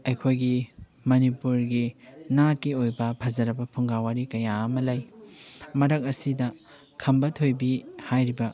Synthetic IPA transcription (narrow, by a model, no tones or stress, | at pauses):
ejkʰojɡi | mɐnipuɾɡinakiojbɐpʰɐzɐɾɐbɐpʰuŋɡawaɾikɐjaɐmɐlaj | mɐɾɐk̚ɐsidɐ | kʰɐmbɐtʰojbihajɾibɐ